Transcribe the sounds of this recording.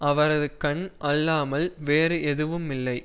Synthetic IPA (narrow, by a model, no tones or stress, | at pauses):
ʔɐʋɐɾɐðɯkɐɳʔɐlːaːmɐlʋeːɾɯʔɛðɯʋɯmɪlːɐɪ